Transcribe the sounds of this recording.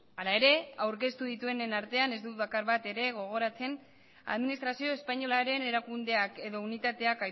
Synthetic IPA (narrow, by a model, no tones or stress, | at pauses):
alae̞ɾe̞awɾke̞st̪uðit̪ue̞nenaɾt̪e̞ane̞zd̪ut̪βakaɾβat̪e̞ɾe̞ɣ̞o̞ɣ̞o̞ɾat͡se̞n | a̰ðminist̪ɾasio̞e̞spaɲo̞laɾe̞ne̞ɾakund̪e̞ake̞ðo̞unit̪at̪e̞aka